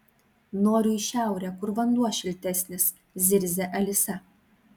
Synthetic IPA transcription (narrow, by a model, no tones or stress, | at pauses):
noːɾʲuːɪʃʲæˑʊɾʲɛkʊɾʋɐnd̪uɔʃʲɪlʲt̪ʲɛsʲnʲɪs | zʲɪɾʲzʲɛʔɐlʲɪsʲɛ